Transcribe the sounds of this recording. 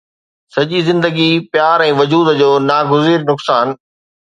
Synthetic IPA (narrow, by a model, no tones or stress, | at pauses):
sɐʄizɪ̃nd̪əɡipjaːɾɛ̃ːʋɐd͡ʑuːd̪d͡ʑoːnaːɡʊziːɾnʊksaːn